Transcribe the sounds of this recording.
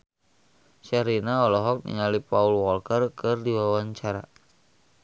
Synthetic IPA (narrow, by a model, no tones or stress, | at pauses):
ʃaɾinaɔlɔɦɔk̚nḭŋalipaulwɔlkərkɨrdiwawaɲt͡ʃaɾa̰